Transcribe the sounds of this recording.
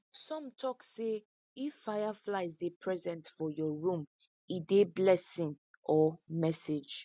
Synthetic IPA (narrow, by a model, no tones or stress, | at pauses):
sɔ̃mtʰɔkse | ifːajaflaɪzdepʰɹɛzɛ̃ntfɔjɔɹũm | ideblɛsĩn | ɔmɛsed͡ʒ